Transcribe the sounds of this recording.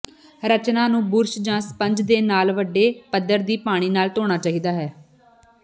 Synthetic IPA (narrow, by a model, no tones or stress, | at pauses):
ɾət͡ʃnãːnũːbʊɾʃd͡ʒãːspəɲd͡ʒd̪eːnaːlʋəɖːeːpəd̪əɾd̪iːpaːɽ̃iːnaːlt̪oːɽ̃aːt͡ʃaːɦiːd̪aːɦɛː